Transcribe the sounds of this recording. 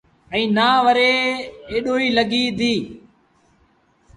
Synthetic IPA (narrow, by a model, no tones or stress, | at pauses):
ɛ̃ːnaːʋəɾeːeːɗoːiːləɡiːd̪iː